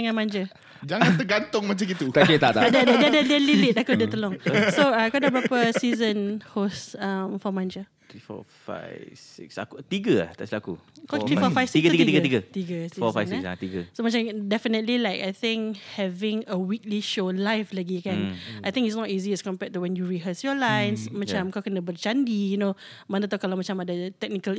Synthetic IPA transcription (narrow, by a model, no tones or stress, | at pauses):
əŋãnmãnd͡ʒə | d͡ʒaŋãnt̪əɡant̪ʊŋmat͡ʃãɡit̪ut̪adət̪aʔt̪adəddədələlilit̚akodɛt̪əlɔ̃ŋsoaakadabɾapəsizə̃nhosamfɔmãnd͡ʒə | t̪ifɔ̰fa̰ɪsḭksa̰kut̪iɡəa̰t̪aslakṵkɔt̪ifɔfajfsiɡət̪iɡət̪iɡət̪iɡət̪iɡəsifɔfasasaiɡəsomat͡ʃãmdɛfinətlilajkajt̪ɪ̃ŋkhɛvɪ̃ŋəwik̚liʃolajflaɡikɛ̃nʔajt̪ɪ̃ŋkitsnɔtiziɛskɔ̃mpɛt̚ːuwɛ̃njuɹiɦəsjɔlãjnsmat͡ʃãmkakənəbət͡ʃãndijuno | manət̪akalaʊmat͡ʃãmadət̪ɛk̚nikəl